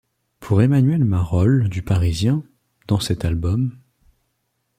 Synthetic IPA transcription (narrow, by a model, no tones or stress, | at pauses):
pʰuʁemanɥɛlmaʁɔld̪ypaʁizjɛ̃ | d̪̥ɑ̃sɛt̪albɔm